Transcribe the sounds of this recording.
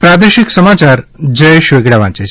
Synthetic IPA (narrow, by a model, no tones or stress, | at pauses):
pɾad̪eʃɪksəmat͡ʃaɾd͡ʒəjeʃʋeɡɽaʋãt͡ʃet͡ʃʰ